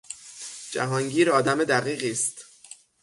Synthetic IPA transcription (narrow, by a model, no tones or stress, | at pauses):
d͡ʒæ̰ɦɒːŋɟiːɾɒːd̪æmed̪æɣiːɣiːst̪